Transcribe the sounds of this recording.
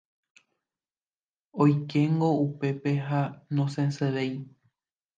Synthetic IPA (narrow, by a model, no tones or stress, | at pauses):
ojke̞ŋɡo̞upe̞pe̞ɦanõsẽnseʋej